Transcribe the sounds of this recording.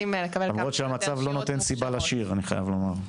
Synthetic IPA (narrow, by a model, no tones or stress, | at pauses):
imlekabeamʁotʃeamat͡savlo̞not̪e̞nsibalaʃiʁaniχa̰ja̰vlo̞maʁ